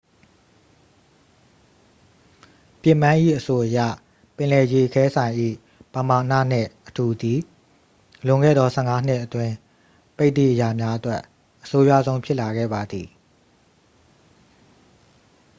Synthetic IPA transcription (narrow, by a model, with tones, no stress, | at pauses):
pjɪ˦˨mã˦ʔḭ˦˨ʔəso˨ʔəjä̰˦˨ | pɪ̃˨lɛ˨je˨ʔəkʰɛ˦sʰã˨ɪ̃ʔḭ˦˨ | pə˨ma˨nä̰˦˨n̥ɪ̰̃˦˨ʔətu˨d̪i˨ | lʊ̃˨ŋɡɛ̰˦˨d̪ɔ˨sʰɛ̰˦˨ŋa˦n̥ɪ˦ʔətwɪ̃˦ | pe˦t̪ḭ˦˨ʔəja˨mja˦ʔətwɛ˦ʔ | ʔːəso˦ja̰˦˨zõ˦ʊ̃pʰjɪ˦ʔla˨ɡɛ̰˦˨ba˨d̪ði˨